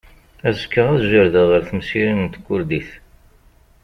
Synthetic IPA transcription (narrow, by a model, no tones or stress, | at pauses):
æzəkːəʁæðʒəɾðəʁəɾθmsiɾənnt̪kʷːʊɾd̪iθ